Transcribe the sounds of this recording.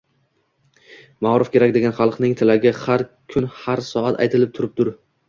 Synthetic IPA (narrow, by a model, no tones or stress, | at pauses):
maɾɪfkʲʰe̞ɾak̚ʲd̪e̞ɡʲanχɑlˠqnɪŋt̪ʰɪlaɡʲɪhaɾkʲʰʊnhaɾsɒat̪ʰa̰jt̪ʰɪlɪp̚t̪ʰʊɾɪp̚t̪ʰʊɾ